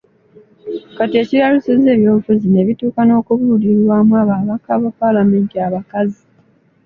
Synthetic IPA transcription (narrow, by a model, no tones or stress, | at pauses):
katie̞ːciɾaluseze̞ːβjo̞ːβufuzine̞βituːkano̞ːkuβuːliɾwaːmwaːβaːβakaβopalame̞ːntiaβakazi